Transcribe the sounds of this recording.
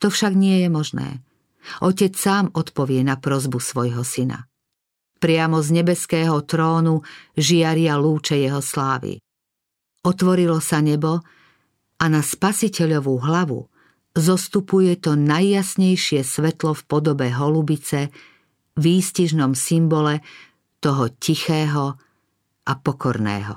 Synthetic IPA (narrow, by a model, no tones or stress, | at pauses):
t̪ɔfʃaɡɲɪɛjɛmɔʒnɛ̰ː | ʔɔcɛt͡ssaːmɔt̪pɔʋɪɛnapɾɔzbusʋɔjɦɔsina̰ | pɾɪamɔzɲɛbɛskɛːɦɔt̪ɾɔːnuʒɪaɾɪaluːt͡ʃɛjɛɦɔslaːʋḭ | ɔt̪ʋɔɾilɔsaɲɛbɔ | ʔanaspasicɛʎɔʋuɦlaʋṵ | zɔst̪upujɛt̪ɔnajːasɲɛjʃɪɛsʋɛt̪lɔfpɔd̪ɔbɛɦɔlubit͡sɛ | ʋiːsciʒnɔmsimbɔlɛ | t̪ɔɦɔcixɛːɦɔ | ʔapɔkɔɾnɛ̰ːɦɔ̰